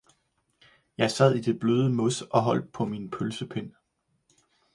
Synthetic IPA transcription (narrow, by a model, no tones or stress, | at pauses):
jɑ̈ɪsæð̞̰ˠid̥e̝b̥løːð̞ˠəmɔsɒ̽ɦɒ̽l̰d̥̚pʰɒ̽minpʰølsəpʰen̰